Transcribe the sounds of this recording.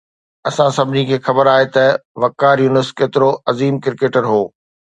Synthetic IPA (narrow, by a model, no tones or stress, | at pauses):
ɐsãsɐbʱɪnikʰeːxɐbəɾaːɦet̪ɐʋɐkːaːɾjuːnəskeːt̪ɪɾoɐziːmkɪɾkeːʈəɾɦoː